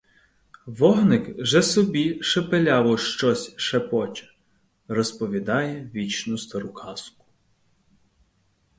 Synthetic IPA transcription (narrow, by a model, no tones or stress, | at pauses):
ʋɔɦnɪkʒɛsɔbʲiʃepelʲɑʋɔʃt͡ʃɔsʲʃepɔt͡ʃɐ̥ | rɔspɔʋʲid̪ɑjɛʋʲit͡ʃnʊst̪ɐɾʊkʰɑskʊ̥